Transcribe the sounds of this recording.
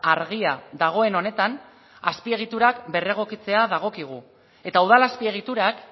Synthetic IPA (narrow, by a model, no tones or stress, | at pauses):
aɾɣiaðaɣ̞o̞e̞no̞ne̞t̪an | aspie̞ɣ̞it̪uɾakbe̞re̞ɣ̞o̞kit͡se̞aðaɣ̞o̞kiɣ̞u | e̞t̪auð̞alaspie̞ɣ̞it̪uɾak